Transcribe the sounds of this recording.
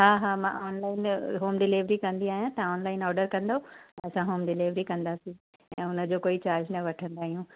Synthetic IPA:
ɦaːɦaːmã̰ɔːnlaːɪnɦoːmɖɪleːʋɾikɐ̃nd̪iaːɦijãt̪ɐɔːnlaːɪnɔːɾɖəɾkɐ̃nd̪oɛ̃ɐsãɦoːmɖɪleːʋɾikɐ̃nd̪asĩ | ɛ̃ːʊnə̆d͡ʑoːkoːit͡ɕaːɾd͡ʑnɐʋɐʈʰə̃nd̪aːɦijũ

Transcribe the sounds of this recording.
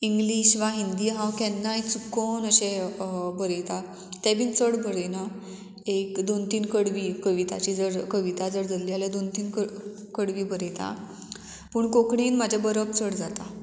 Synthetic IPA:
iŋɡliɕʋaɦind̪ijɦãwkɛnːajt͡sukːonəɕɛbəɾet̪a | t̪ɛ̃bʱiːnt͡səɽbʱəɽena | ekd̪ont̪iːnkəɽʋiːkəʋit̪a̰t͡ɕiːd͡zəɾkəʋit̪ad͡zəɾd͡zəlːialad̪ont̪iːnkə | kəɽʋiːbʱəɾet̪a̰ | pəɳkokɳiːnmad͡ʑʱabəɾəpt͡səɽd͡zat̪a

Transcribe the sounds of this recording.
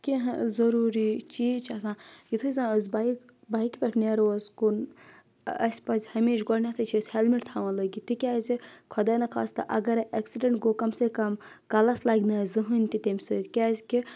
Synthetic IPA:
kiɦzɐɾuːɾit͡ʃiːt͡ʃʰɐsãːjit̪ʰuzãːəzʲbajk | baːikpʲɛʈʰneɾozkun | ɐsʲpɐzʲhɐmiʃɡɔɽnʲat̪ʰɨt͡ʃʰisʲhelmiʈt̪ʰaːʋɐ̃ːlɐɡit̪ikʲaːzʲikʰɔd̪ɐnɐkʰa̰ːst̪ɨ̰ʔɐ̰ɡɐɾʔɐksiɖɐɳʈɡoːkɐmsekɐm | kɐlɐslaɡʲnaːzɨɦɨnʲt̪it̪emʲsɨt̪kʲaːzʲki

